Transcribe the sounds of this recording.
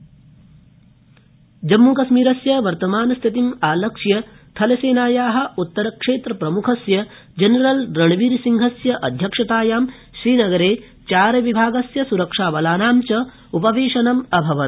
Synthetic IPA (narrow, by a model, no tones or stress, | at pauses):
d͡ʒɐmːuːkɐʃmiːɾɐsjɐʋɐɾt̪ɐmaːnɐst̪ʰit̪imaːlɐkʂjɐ | t̪ʰɐlɐseːnaːjaːɦɐ̆ut̪ːɐɾɐkʂeːt̪ɾɐpɾɐmukʰɐsjɐ | d͡ʒɐnɐɾɐlɾɐɳʋiːɾsiŋɡʱɐsjɐʔɐd̪ʱjɐkʂɐt̪aːjaːm | ʃɾiːnɐɡɐɾeː | t͡ʃaːɾɐʋibʱaːɡɐsjɐsuɾɐkʂaːʋɐlaːnaːmt͡ʃɐ | upɐʋeːʂɐnɐmɐbʱɐʋɐt̪̚